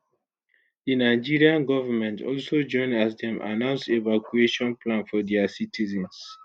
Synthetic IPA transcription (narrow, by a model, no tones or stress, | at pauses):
dinaɪd͡ʒiɹiãnɡɔvamɛ̃ntɔ̰lsod͡ʒɔ̃ɪ̃nasdɛ̃mʔa̰nãʊ̃nstevakʰueʃɔ̃nplãnfɔdɛasitʰizɛ̃ns